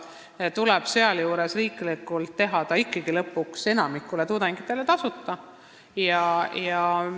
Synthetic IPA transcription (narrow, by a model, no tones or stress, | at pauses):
t̪uleb̥seɑljuːɾe̞sriːklikːˑult̪ːe̞ɦɑd̪̥ɑikˑːɑɡ̥ilɤpːˑukse̞nɑmikːˑule̞t̪ud̪̥eŋɡ̥it̪ːˑe̞let̪ɑsut̪ːˑɑ | jɑjɑ